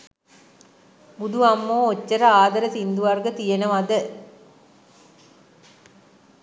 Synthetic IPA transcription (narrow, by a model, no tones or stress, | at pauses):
bud̪ʱuamːoːot͡ʃːəɾəaːd̪ɐɾət̪ind̪uʋarɡət̪ijenəʋad̪ə